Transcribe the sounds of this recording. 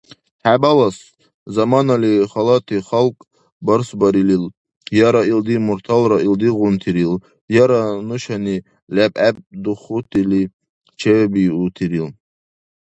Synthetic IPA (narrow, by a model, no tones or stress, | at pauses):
ħabalɑs | zɑmɑnaliχɑlɑt̪ʰiχalkʼ | bəɾsbɑɾilil | jɑɾaild̪imuɾt̪ʰalɾɑʔild̪iʁunt̪ʰiɾil | jaɾanuʃani | læbæb̚d̪uχut̪ʰʼili | t͡ʃʰɛbiut̪ʰiɾil